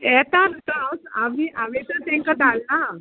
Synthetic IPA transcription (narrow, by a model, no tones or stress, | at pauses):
ɛt̪ant̪awsa̰miʔaʋet̪əɾt̪ɛ̃ŋkad̪alːa